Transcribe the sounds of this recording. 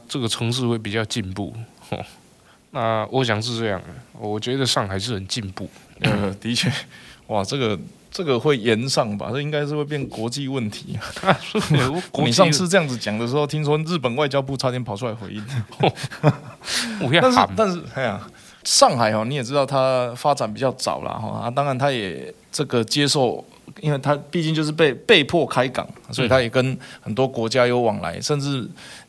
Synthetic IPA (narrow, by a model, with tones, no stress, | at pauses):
ʈ͡ʂə˥˩ɡə˩ʈ͡ʂʰɤ˧˥ŋʂ̬ɻ̩˥˧we˥˩ɪp̬i˨˩t͡ɕjɑ˥˧ʊt͡ɕi˥˧npṵ˥˩xɔ̰˥˧ | na˥˨wɔ˧˦ɕ̬jɑ˨˩ŋʂ̬ɻ̩˥˧ʈ͡ʂɤ˥˧jɑ̰˥˩ŋə˨˩wɔ˨˩t͡ɕɥɛ˧˥d̪ə˧ʂɑ˥˩ŋxa˨˩ɪʂɻ̩˥˩hə˨˩nt͡ɕi˥˧npṵ˥˩ə˩t̪i˧˥t͡ɕʰɥɛ˥˩wa˨ʈ͡ʂə˥˩ɡə˩ | ʈ͡ʂə˥˩ɡə˩xwe˥˩ɪjɛ˧˦nʂɑ˥˩ŋba̰˨ɤ˥˩˧i˥ŋka˥ɪʂɻ̩˥˧we˥˧ɪp̬jɛ˥˩nkwɔ˧˥t͡ɕi˥˧wə˥˩nt̪ʰi˧˥˩ | kni˨˩ʂ̬ɑ˥˧ŋs̩ʰ˥˧ʈ͡ʂɤ˧jɑ˥˩ŋd͡zɹ̩˨˩t͡ɕjɑ˨˩ŋd̪ə˩ʂ̬ɻ̩˧˥xo˥˩ʊt̪ʰi˥ŋt͡sʰɔ˥ŋɻ̩˥˩pə˨˩nwa˥˩ɪt͡ɕjɑ˥ʊp̬u˥˨ʈ͡ʂʰa˥t̪jɛ˥npʰɑ˨˩ʊʈ͡ʂʰu˥˧la˧˥ɪxwḛ˧˥ɪi˥˩n | t̪nʂ̩˥˨t̪a˥˧n̩˥˩a˧˥˩ | ʂɑ˥˩ŋxa˨˩ɪxɔ˨˩ni˧˥jɛ˨˩ʈ͡ʂɻ̩˥t̪ɑ˥˩ʊt̪ʰa˦˥fa˥t͡sa˨˩npi˨˩t͡ɕjɑ˥˩ʊt͡sɑ̰˨˩ʊlɐ̰˩xɔ̰˧˩a̰˥˩t̪ɑ˥ŋɻa˧˦nt̪ʰa˥jɛ̰˨˩ | ʈ͡ʂɤ˥˩ɡə˩t͡ɕje˥ʂo˥˩ʊ | i˥nwe˥˩ɪt̪ʰa˥pi˥˧t͡ɕi˥˧ŋt͡ɕjo˥˧ʂɻ̩˥˩pe˥˧ɪpe˥˧ɪpʰwɔ˥˨kʰa˥ɪkɑ̰˨˩ŋswɔ˧˥i˨t̪ʰa˥jɛ˨˩kə˦nxə˨˩nt̪̬wɔ˥kwɔ˧˥t͡ɕja˥jo˧˥ʊwɑ˨˩ŋla̰˧˦ɪʂə˥˧nʈ͡ʂɻ̩˥˩